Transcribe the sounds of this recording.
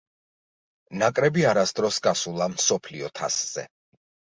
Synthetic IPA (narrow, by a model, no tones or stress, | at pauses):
nakʼɾɛbiaɾasd̪ɾɔsɡasulˠamsɔpʰliɔt̪ʰasz̥ɛ̰